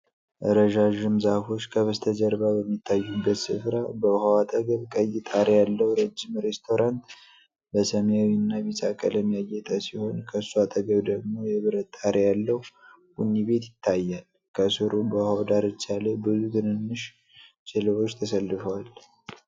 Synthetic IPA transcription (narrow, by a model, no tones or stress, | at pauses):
ʔəɾəʒaʒɨmzafo̞t͡ʃːkʰəβəst̪ʰəd͡ʒəɾbabəmːit̪ʰːajːubːət̪sɨfɾabəhawat̪ʼəɡəβkʼəjɪt̪ʼaɾejalːəwɾəd͡ʒːimɾe̞st̪ʰo̞ɾʔant̪ | bəsəmjawinːaβisʼakʼə̰ləmːijajɛt̪ʼəsiho̞nkʰəsuat̪ʼəɡəβd̪əɡmo̞jɛβɨɾətt̪ʼːaɾejalːəw | ɡunːiβe̞t̪jɪt̪ʰːajːal | kʰəsɨɾubəhawd̪aɾɨt͡ʃːalebɨzut̪ʰɨnɨnːɨʃ | t͡ʃʼɪlɨβo̞t͡ʃːt̪ʰəsəlːɨfəwal